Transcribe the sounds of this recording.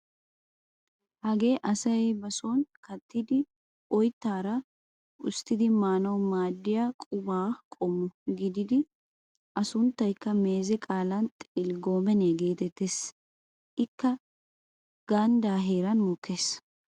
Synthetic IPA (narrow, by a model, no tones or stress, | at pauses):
hɐɡe̞ːʔɐsɐjbɐsɔnkɐt̪ːɪd̪ɪ | ɔjt̪ːaːɾɐ | ʊst̪ːɪd̪ɪmaːnɐwmaːd̪ːɪjakʼʊbaːkʼɔmːɔɡɪd̪ɪd̪ɪ | ʔɐsʊnt̪ːɐjkːɐmeːzɛkʼaːlɐnt̪ʼɪlɡoːmɛneːɡe̞ːt̪ɛt̪ːes | ʔɪkːɐ | ɡ̥ɐnd̪aːɦeːɾɐnmɔkʰːe̞ːs